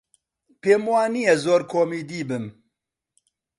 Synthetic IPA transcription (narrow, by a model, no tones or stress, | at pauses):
peːmuwaːnijɛzoːɾkʰoːmiːd̪iːbɨm